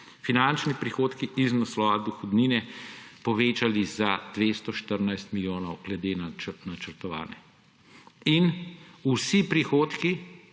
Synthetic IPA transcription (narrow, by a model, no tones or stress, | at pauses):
finant͡ʃnipɾixoːt̪kiiznaslɔʋad̪uxɔd̪ninɛpɔʋeːt͡ʃalizad̪̥ʋest̪ɔʃt̪əɾnajst̪miljoːnɔwɡ̥lɛd̪eːnanat͡ʃəɾt̪ɔʋa̰ːnɛ | inusipɾixoːt̪ki